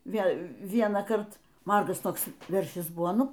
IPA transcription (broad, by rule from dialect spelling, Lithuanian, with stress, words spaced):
ˈʋʲeːlˠ ˈʋʲiɛnɑːkɐrt ˈmɐrɡɐs ˈtoːks ˈʋʲɛrʲʃʲɪs ˈbʊʋoː ˈnʊ